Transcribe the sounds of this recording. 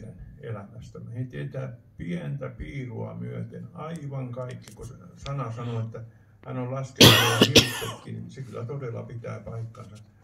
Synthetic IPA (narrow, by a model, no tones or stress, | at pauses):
ænḛlæmæst̪ɑmɑheit̪et̪æːpiænt̪æpiːruɑ̰myøt̪ḛnɑiʋɑŋkɑikːikossɑnɑsɑnoet̪ːæ | hænollɑskenɑjɑhiust̪ek̪ːininsekylːˑæt̪odelːˑɑ̰pit̪æ̰ːpɑikːɑnsɑ